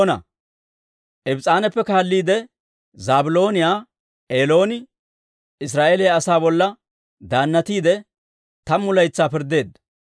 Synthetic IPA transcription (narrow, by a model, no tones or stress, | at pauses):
nɐ̰ | ʔɛbt͡sʼaːnɛpːɛkaːlːiːd̪ɛ | zaːbɪlo̞ːnɪjaː | ʔeːlo̞ːnɪ | ɪs̬ɾaːʔeːlɪjaːsaːbɔlːɐ | d̪aːnːɐt̪iːd̪ɛ | t̪ɐmːʊlɐjt͡sːaːpɪɾd̪ːe̞ːd̪ɐ